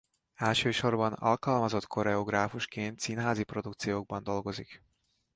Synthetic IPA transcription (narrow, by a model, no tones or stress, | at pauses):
ɛlʃøːʃo̞rbɒnɒ̰lkɒlmɒzo̞t̪kʰo̞ɾɛoɡraːfuʃkeːnt̪sinɦaːzipro̞d̪ukt̪sijoːɡ̚bɒnd̪o̞lɡo̞zik